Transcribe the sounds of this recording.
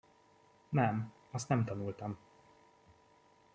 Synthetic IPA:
nɛm | ɒst̪nɛmt̪ɒnult̪ɒm

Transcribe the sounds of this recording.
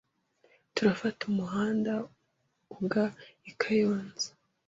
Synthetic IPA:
tuɾafatumuɦaːnda | uɡaikʰajoːnzḁ

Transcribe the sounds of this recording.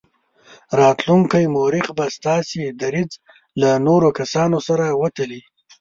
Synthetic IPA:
ɾɑt̪luŋkajmoɾɪχbast̪ɑːsid̪aɾid͡z | lanoɾokasɑnosaɾawat̪əli

